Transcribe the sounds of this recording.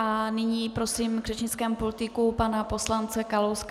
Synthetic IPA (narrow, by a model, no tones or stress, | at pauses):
anɪɲiːpɾo̞siːmɡr̥ɛt͡ʃɲɪt͡skɛːmpolɪt̪ɪkupanapo̞slant͡sɛkalowsk